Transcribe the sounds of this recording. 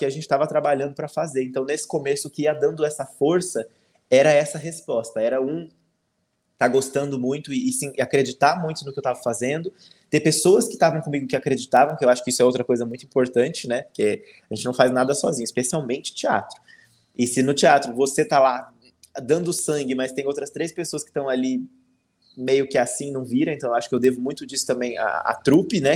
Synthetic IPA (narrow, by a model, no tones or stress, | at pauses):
kɪaʒẽnt͡ʃɪ̥t̪avɐt̪ɾabaʎɐ̃nd̪ʊpɾɐfazeɾẽnt̪ɐ̃w̃nesɪ̥komesʊːkɪiɐd̪ɐ̃nd̪ʊɛsɐfoɾsɐ | ɛɾɐɛsɐɦespɔst̪ɐɛɾɐũ | t̪aɡost̪ɐ̃nd̪ʊmũj̃t̪ʊɪːsĩɪakɾed͡ʒit̪aɾmũj̃t̪ʊnʊkɪewt̪avɐfazẽnd̪ʊ | t̪epesowɐskɪ̥t̪avɐ̃w̃kõmiɡʊkɪakɾed͡ʒit̪avɐ̃w̃kɪewaʃʊ̥kɪisʊɛowt̪ɾɐkojzɐmũj̃t̪ʊĩpoɾt̪ɐ̃nt͡ʃɪnɛpoɾke | aʒẽnt͡ʃɪnɐ̃w̃fajznad̪ɐsɔ̰zĩɲʊispesiawmẽnt͡ʃɪt͡ʃia̰t̪ɾʊ | ɪsɪnʊt͡ʃiat̪ɾʊvoset̪ala | d̪ɐ̃nd̪ʊsɐ̃ŋɡɪmɐst̪ẽj̃owt̪ɾɐst̪ɾejspesoɐskɪ̥t̪ɐ̃w̃ali | mejʊkɪasĩnɐ̃w̃viɾɐ̃ẽt̪ɐ̃w̃ewaʃʊ̥kɪewd̪evʊmũj̃t̪ʊd͡ʒisʊ̥t̪ɐ̃mbẽj̃a̰a̰t̪ɾupɪnɛ